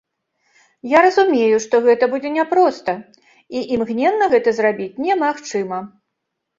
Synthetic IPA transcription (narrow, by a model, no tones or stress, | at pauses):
jaɾɐzumʲejuʂt̪ɔɣɛt̪ɐbud͡zʲɛnʲɛpɾɔst̪ɐ | iʔimɣnʲɛnːɐɣɛt̪ɐzrabʲit͡sʲnʲɛmaxt͡ʂɨmɐ